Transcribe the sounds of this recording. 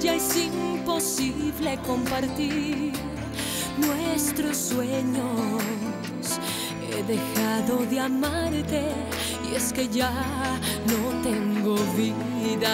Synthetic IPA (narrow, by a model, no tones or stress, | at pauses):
d͡ʒaesimpo̞siβle̞ko̞mpaɾt̪iɾ | nwest̪ɾosːweɲo | s | eðexaðo̞ðeamaɾt̪e | ieske̞ʝa | not̪e̞ŋɡoβi | ða